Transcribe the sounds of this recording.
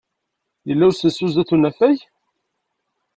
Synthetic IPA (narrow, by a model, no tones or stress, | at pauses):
jəlːæwɾsəsːuzæθunæfæj